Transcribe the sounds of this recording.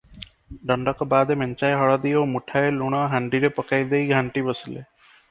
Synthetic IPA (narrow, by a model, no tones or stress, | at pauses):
ɖɔɳɖɔkɔbad̪emɛnt͡ʃajɦɔɭɔd̪iomuʈʰaeluɽ̃ɔɦaɳɖiɾepɔkajd̪ejɡʱaɳʈibɔsilḛ